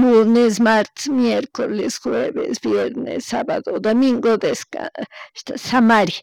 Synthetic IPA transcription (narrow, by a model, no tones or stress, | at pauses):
munesmaɾt̪e̥smjeɾkolesxweβḛsbjeɾnḛsːaβaðod̪omiŋɡod̪eska̰ʃt̪asamaɾji